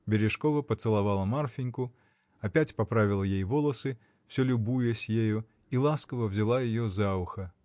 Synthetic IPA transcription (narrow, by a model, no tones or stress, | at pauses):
bʲɪɾʲɪʂkovəpət̪sɨlˠavalˠəmarfʲɪnʲkʊ | ɐpʲætʲpapɾavʲɪlˠəjejvolˠəsɨ | fsʲolʲʊbujəsʲjejʊ | ilˠaskəvəvzʲɪlˠajɪjozaʊxɐ